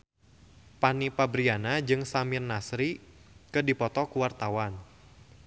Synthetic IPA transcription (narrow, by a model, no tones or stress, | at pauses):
panipabɾianad͡ʒɨŋsamirnasɾikɨdipɔt̪ɔkuwart̪awan